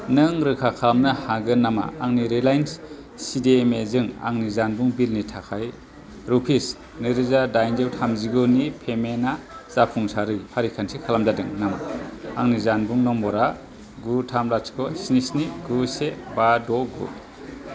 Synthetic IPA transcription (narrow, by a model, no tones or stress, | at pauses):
nɯŋɾɯkʰakʰamnɯhaɡɯnama̰aŋniɾelajns | sidemezɯŋa̰ŋnizanbuŋbilnitʰakʰaj | ɾupʰis | nɯɾɯzadajnd͡ʒewtʰamziɡɯnipʰemenazapʰuŋsaɾɯjpʰaɾikʰansikʰalamzadɯŋnama̰aŋnizanbuŋnɔmbɔɾa | ɡutʰamlaskʰɔsinisniɡusebadɔɡṵ